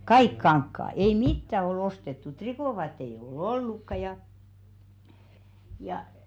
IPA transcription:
kɑik kɑŋkːɑː ei mitːæ ol ostetːu trikoˑʋɑːtːei eij̆ ol̥ olːukːɑ jɑ jɑ

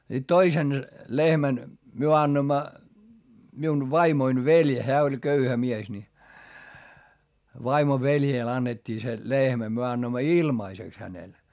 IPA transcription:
sit toisen lehmæn myø ɑnːoĭmːɑ miun ʋɑimoin ʋelʲ heæ olʲ køyhæ mies ni ʋɑimo ʋeljeˑl ɑnːetʲːiː se lehmæ myø ɑnːoimːɑ ilmɑiseks hænel

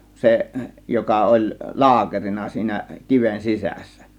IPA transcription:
seʔ jokɑ olʲ lɑːkerinɑ siːnæ kiʋen sisæsːæ̥

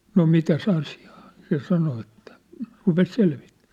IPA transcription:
no mitæs ɑsi̥ɑ̥ː se sɑno etːæ̥ rupes selʋi̥tːæ̥ː

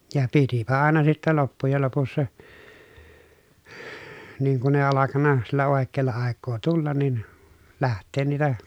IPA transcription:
jɑ pitipæ ɑˑenɑ sitːɛ lopːujel lopusːɑ niːŋ kun eˑi ɑlɑkɑnːɑ silːæ oˑekːeːlːɑ ɑˑekːoː tulːɑn nin læhtˑeːn niːtæ

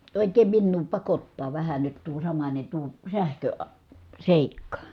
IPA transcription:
oˑikˑeːm minːuː pɑkotːɑː ʋæhæ nyt tuo sɑmɑnʲe tuo sæhkøɑ seˑikːɑ

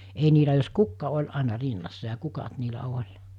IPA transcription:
ei niːlæ jos kukːɑ olʲ ɑˑenɑ rinːɑsːɑ jɑ kukɑt niːlæ olʲ

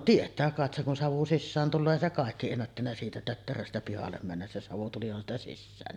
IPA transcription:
tietˑæː kɑˑet seŋ kun sɑʋu sisːæːn tulːoː eˑi se kɑˑekːi enːætːænːæ siːtæ tøtːerøstæ pihɑlːem mænːæs se sɑʋu tulihɑn stɑ sisːæːnːi

